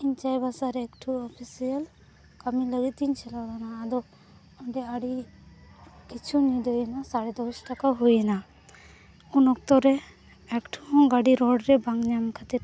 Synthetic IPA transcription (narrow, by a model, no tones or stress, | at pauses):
iɲt͡ʃajbasaɾɛkʈʰuɔpʰisijəl | kamiləɡit̪iɲt͡ʃʰɛlawlanaːd̪ɔ | ɔɳɖɛaɽi | kit͡ʃʰunid̪ɔjnasaɽɛd̪ɔsʈakaɦujna | unɔk̚t̪ɔɾɛ | ɛkʈʰuɦɔ̃ŋɡaɽiɾɔɖɾɛbaŋɲamkʰat̪iɾ